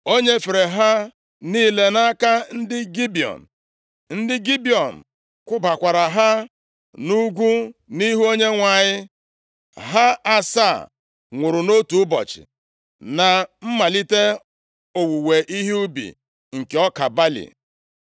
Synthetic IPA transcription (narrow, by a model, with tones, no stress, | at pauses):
o˦ɲe˦fe˨ɾe˨ɦa˦ | niː˦˨le˦na˦ka˦n̩˦dɪ˦ɡi˦bi˨ɔ̰˨n̩˨ | n̩˦dɪ˦ɡi˦bi˨ɔ˨n̩˨ | kʷʊ˦ba˨kʷa˨ɾa˨ɦa˦ | nu˦ɡʷu˦ni˦ɦu˦o˦ɲe˦ŋʷa˨ɲɪ˦ | ɦa˦a˨sa˦˨ | ŋʷʊ˨ɾʊ˨no˦tu˨˦bɔ̰˨t͡ʃɪ̰˨ | na˨m̩˦ma˨li˦te˦ | o˨wu˨we˨ʔi˦ɦi˦u˦bḭ˨ | ŋ̩˨ke˨ɔ˦ka˨ba˦lḭ˨